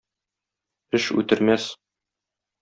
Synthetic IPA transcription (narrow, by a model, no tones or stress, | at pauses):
ɘʃʉ̰t̪ɘ̆ɾmæs